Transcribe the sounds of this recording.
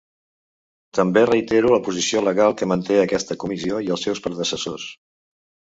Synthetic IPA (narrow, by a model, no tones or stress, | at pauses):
t̪əmberəit̪eɾuləpuzisioləɣalˠkəmənt̪eəkɛst̪əkumizioiəlˠsɛwspɾəðəsəsos